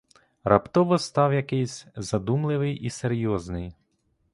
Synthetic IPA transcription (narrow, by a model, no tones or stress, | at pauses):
rɐpt̪ɔʋɔst̪ɑwjɐkɪjsʲzɐd̪umlˠɪʋɪjiseɾʲjɔznɪj